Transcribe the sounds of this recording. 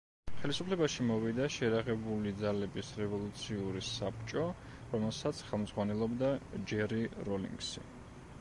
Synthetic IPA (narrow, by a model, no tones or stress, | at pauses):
χɛlisupʰlɛbaʃimɔvid̪aʃɛɾaʁɛbulid̪zalɛbisɾɛvɔlˠut̪sʰiuɾisapt͡ʃʼɔ | ɾɔmɛlˠsat̪sʰχɛlˠmd̪zʁwanɛlˠɔbd̪ad͡ʒɛɾiɾɔlḭŋɡsḭ